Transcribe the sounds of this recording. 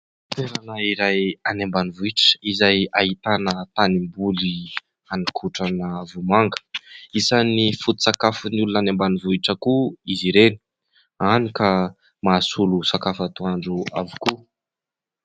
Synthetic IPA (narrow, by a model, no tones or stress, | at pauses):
t̪eɾanaiɾajanembanivuiʈ͡ʂə̥izajaɦit̪anət̪animbuli | anikʰuʈ͡ʂanəvumaŋɡə̥isanifut̪u̥sakafunulunanembanivuiʈ͡ʂəkuiziɾeni̥ | anika | maːsulusakafat̪uaɳɖ͡ʐua̰vuku